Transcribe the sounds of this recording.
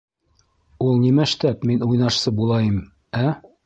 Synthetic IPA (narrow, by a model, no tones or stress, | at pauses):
ulˠnimæɘ̆ʃt̪æpminujnɑʃsɤbulˠɑjɤm | æ